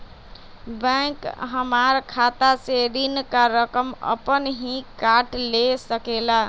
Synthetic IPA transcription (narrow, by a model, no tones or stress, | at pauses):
bə̃kɦəmaɾkʰat̪aseɾinkaɾəkəmə̰pənɦĩkaʈlesəkela